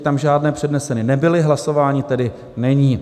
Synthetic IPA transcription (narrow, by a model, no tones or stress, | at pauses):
t̪amʒaːdnɛːpr̝̥ɛdnɛsɛnɪnɛbɪlɪɦlaso̞vaːɲɪt̪ɛdɪ | nɛɲiː